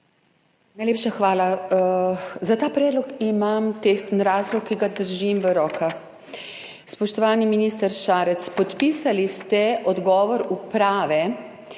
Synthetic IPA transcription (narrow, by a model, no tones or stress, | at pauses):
najleːpʃaxʋaːla | zat̪aːpɾɛːd̪lɔkimamt̪eːxnɾaːzlɔkːiɡad̪əɾʒimʋəɾɔːkax | spɔʃt̪ɔʋaːniminist̪əɾʃaːɾɛt̪spɔt̪pisalist̪ɛʔɔd̪ɡɔːʋɔɾupɾaːʋɛ